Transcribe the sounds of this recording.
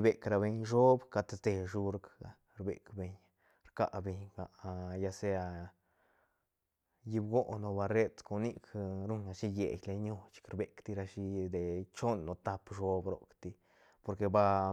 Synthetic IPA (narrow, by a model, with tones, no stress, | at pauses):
be˨kɾa˧be˧ɲʃo˦bka˧t̪sd̪e˧ʃu˧ɾka˧ | ɾbḛ˨kbe˧ɲ | ɾka̰˧be˧ɲɡa˧˨˧ja˧se˧a˧ | ji˧bɡo˦ʔno˧ba˧ɾe˦t̪ko˧ni˦kʰɾu˦na˧ʃi˦jḛ˨jle˧ɲo˧t͡ʃkɾbe˧kt̪i˧ɾa˧ʃi˧d̪e˨t͡ʃo˦nːo˧t̪a˧pʃo˦bɾo̰˨˧kt̪i˧ | po˧ɾke˧ba˧